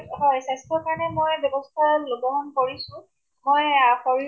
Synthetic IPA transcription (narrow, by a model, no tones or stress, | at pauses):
ɦɔjsajstʰɔkaɹɔnɛmojbjɔbɔstʰaɹɔlobɔɦɔnkoɹisʊ̃ | mojxɔɹi